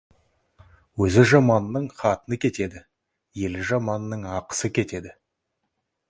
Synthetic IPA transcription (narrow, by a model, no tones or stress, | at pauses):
wɵzɪʒɑmɑnənəɴχɑt̪ənəkʲʰe̞t̪e̞d̪ɪ | je̞lɪʒɑmɑnənəɴɑqə̥səkʲʰe̞t̪e̞d̪ɪ